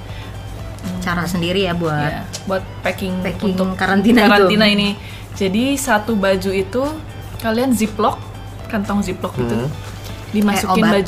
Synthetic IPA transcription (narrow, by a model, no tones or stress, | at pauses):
t͡ʃaɾasəndiɾijabuatabuat̪̚pekɪŋekɪŋŋkaɾant̪inaaɾaninaini | d͡ʒadisat̪ubad͡ʒuit̪u | kalianziplɔk̚ | kant̪ɔŋziplɔk̚ɡit̪u | dimasukɪbnbad͡ʒ